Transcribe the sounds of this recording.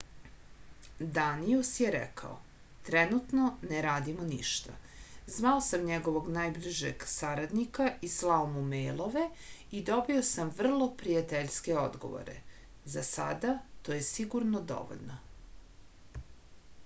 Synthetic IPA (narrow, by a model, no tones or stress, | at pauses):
d̪aniusjeɾɛ̰kʰa̰o̰ | t̪ɾenut̪no̞neɾaːd̪imoniʃt̪a̰zʋaosamɲeɡo̞ʋoɡnajbliʒḛɡsaɾad̪nikaʔislˠaomumejlˠo̞ʋe̞id̪o̞bio̞samʋr̩lˠo̞pɾijat̪eʎske̞o̞d̪ɡo̞̰ʋo̰ɾḛ | zasa̰d̪at̪oːjesiɡuɾnod̪o̞̰ʋo̰ʎʲno